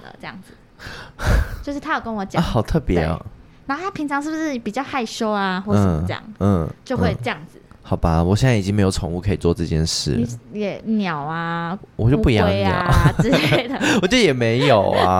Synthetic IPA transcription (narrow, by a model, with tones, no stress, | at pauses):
lə̰˩ʈ͡ʂə˥˧jɑ̰˥˩ŋd͡z | jo˥ʊʂɻ̩˥˩t̪ʰjo˨˩kə˦˥nwɔ˨˦t͡ɕj̰xɑ˨˩ʊt̪ʰɤ˥˩pjɛ̰˧˦˨ | na˧˥xo˥˩t̪ʰa˥pʰi˧˥ŋt͡sʰɑ˧˦ŋʂɻ̩˥˩bu˩ʂɻ̩˥˩pi˨˩t͡ɕjɑ˥˧ʊxa˥˧ɪʂo˥ʊa˧xwɔ˥˩ə˨˩mət͡ɕjɑ̰˨˩˦ŋ̩˥˩t͡ɕjo˥˧ʊxwe˥˧ɪə˧jɑ˥˩ŋd͡z̩˨˩ | xɑ˨˩ʊba˦wɔ˨˩ɕjɛ˥˧nt͡sa˥˩i˨˩i˥ŋme˧˥ɪjo˨˩ʊʈ͡ʂʰo˧˦ŋu˥˩kʰə˧˥i˨˩t͡swɔ˥˧ʈ͡ʂɤ˥˧t͡ɕjɛ̰˥˧nʂɻ̩̰˥˩n˨jɛ˨˩njɑ˨˩ʊa˧wɔ̰˨˩t͡ɕjo˥˧pu˥˧i˧jɑ˥˧˥jɑ̰˨˦˥ | d̪ə˩wɔ˨˩t͡ɕjo˥˩ʊjɛ˨˩me˧˥ɪjo˨˩ʊa̰˦